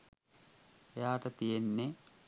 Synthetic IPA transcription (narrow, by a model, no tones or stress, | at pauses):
jaːʈɐt̪ijenːe